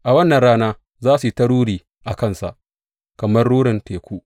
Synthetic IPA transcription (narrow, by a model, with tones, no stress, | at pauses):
ʔa˨wɐ˦nːɐ˨ɾaː˦naː˦ | zaː˦su˨tɐ˦ɽuː˦ɽiː˨ | ʔa˨kɐ˦˨nsa̰˨ʔ | kɐ˨mɐ˦rɽuː˦ɽɪ˨nteː˨kʷuː˦ʔ